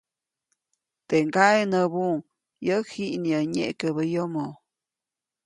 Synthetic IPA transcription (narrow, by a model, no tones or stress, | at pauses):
t̪eŋɡaenəβuŋ | jəhiʔniəɲḛʔkəβəjomo